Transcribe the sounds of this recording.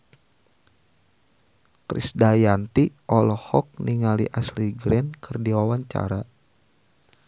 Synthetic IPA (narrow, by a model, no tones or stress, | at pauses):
kɾḭsdajant̪iʔɔlɔhɔk̚niŋalḭʔasliɡɾɛnkʰərdiwawaɲt͡ʃa̰ɾa